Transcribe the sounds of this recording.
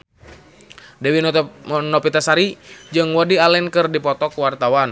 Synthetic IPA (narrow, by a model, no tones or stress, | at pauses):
dɛwinɔpit̪asaɾid͡ʒɨŋwɔdialɛnkɨrdipɔt̪ɔkuwart̪awan